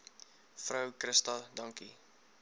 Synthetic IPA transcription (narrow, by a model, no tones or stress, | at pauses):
fɾœwkɾəstɐdɐŋki